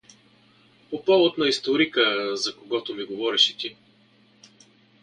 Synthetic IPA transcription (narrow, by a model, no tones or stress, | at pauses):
popalˠot̪nɐist̪oɾikəzɐkoɡɔt̪omiɡovɔɾɛʃɛt̪i